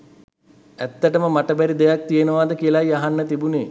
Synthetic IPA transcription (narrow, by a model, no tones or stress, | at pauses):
æt̪ːəʈəməmaʈəbæɾid̪ejak̚t̪ijənəʋaːd̪əkijəlajaɦanːət̪ibuneː